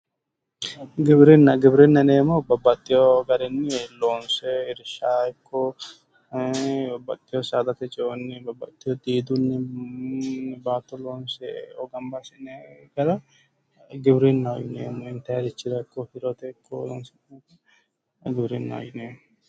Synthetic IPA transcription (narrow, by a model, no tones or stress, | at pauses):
ɡɪbɾɛnːɐɡɪbɾɛnːɐneːmɔbɐbːɐt̪ʼːɪjɔɡɐɾɛnːɛloːnsɛɪɾɪʃaːɪkʰːɔ | bɐbːɐt̪ʼːɪjɔsaːd̪ɐt̪ɛt͡ʃʼɛɔnːɛbɐbːɐ̰t̪ʼːɪjɔd̪iːd̪ʊnːɛ | baːt̪ːɔloːnsɛɔɡɐmbasɪnɛɡ̥ɐɾɐ | ɡɪbɾɛnːɐɔjɪneːmːɔɪnt̪ɐjɐd̪ɪt͡ʃːɪd̪ɐɪkːɔhɪɾot̪ɛɪkːɔ̰lo̰ːnsɛnɐ | ɡɪbɾɛnːɐ̰ɔ̰jɪne